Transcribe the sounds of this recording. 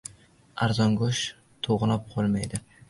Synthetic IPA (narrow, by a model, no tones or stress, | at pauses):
aɾzɒŋɡʊʃ | t̪ʰoʁɨlap̚qʰɒlˠmajd̪ɪ